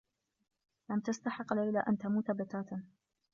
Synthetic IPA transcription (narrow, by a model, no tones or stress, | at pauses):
lamt̪ast̪aħɪqːlajlaʔant̪amuːt̪abat̪aːt̪